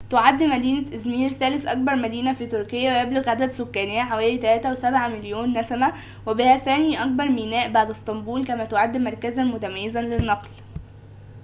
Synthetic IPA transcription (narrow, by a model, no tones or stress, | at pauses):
t̪oʕad̪ːmæd̪iːnæʔæzmiːɾθæːlesʔɑk̚bɑɾˤmæd̪iːnæfiːt̪oɾkɪjːæwejebloɣʕad̪æd̪sokːæːnejːæħawæːlit̪ælæːt̪æwesæbʕamɪljoːnːæsæmæ | webɪhæθæːniːʔɑk̚bɑɾˤmiːnæːʔbaʕd̪est̪ˤɑmbuːlkæmæt̪oʕad̪ːmɑɾˤkæzænmʊt̪æmæjːezænlenːɑql